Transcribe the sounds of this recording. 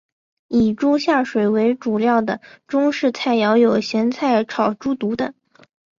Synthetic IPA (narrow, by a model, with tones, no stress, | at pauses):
i˨˩ʈ͡ʂu˥ɕja˥˩ʂwe˨˩ɪwe˧˥ɪʈ͡ʂu˨˩ljɑ˥˩ʊd̪ə˩ʈ͡ʂʊ˥ŋʂɻ̩˥˧t͡sʰa˥˩ɪjɑ˧˥ʊjo˨˩ʊɕjɛ˧˥nt͡sʰa˥˩ɪʈ͡ʂʰɑ˨˩ʊʈ͡ʂu˥t̪u˧˥d̪ə˧